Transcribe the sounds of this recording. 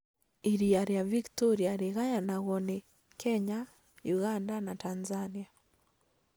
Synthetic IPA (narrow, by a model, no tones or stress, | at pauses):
iɾiaɾjaviktoɾiaɾeɣajanaɣɔne | kʰɛɲa | juɣandanatanzania